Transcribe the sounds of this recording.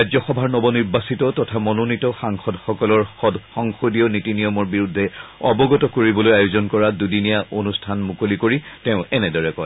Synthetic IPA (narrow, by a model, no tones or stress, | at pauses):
ɹajzɔxɔbʱaɹnɔbɔniɹbasitɔtɔtʰamɔnonitɔxaŋxɔdxɔkɔlɔɹɔdxɔŋxodiɔnitinijɔmɔɹbiɹudʱːɛɔbɔɡɔtɔkoɹibɔlojajuzɔnkɔɹadudinijaʔonustʰanmukolikoɹitɛʊ̃ɛnɛdɔɹɛkɔj